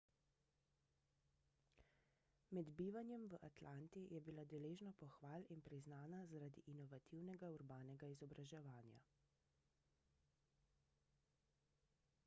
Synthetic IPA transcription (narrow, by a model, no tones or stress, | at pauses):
mɛd̪biːʋanjɛmʋəʔat̪lant̪ijɛbilad̪ɛleːʒnɔpɔxʋaːlinpɾiznaːnazaɾad̪iʔinɔʋat̪iwnɛɡauɾbaːnɛɡaizɔbɾaʒɛʋaːnja̰